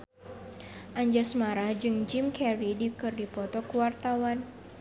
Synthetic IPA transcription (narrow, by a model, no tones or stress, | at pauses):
ʔaɲd͡ʒasmaɾahd͡ʒɨŋd͡ʒimkɛɾidikɨrdipɔt̪ɔkuwart̪awan